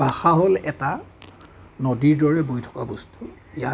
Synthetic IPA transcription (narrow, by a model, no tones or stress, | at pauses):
bʱaxaɦolɛta | nodiɹdɔɹɛbojtʰɔ̥kabostʊ | ija